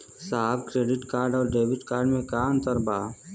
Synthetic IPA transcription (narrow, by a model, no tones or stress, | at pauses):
saːbkɾeːɖɪʈkaːɾɖɔːɾɖeːbɪʈkaːɾɖmẽkaːnt̪əɾbaː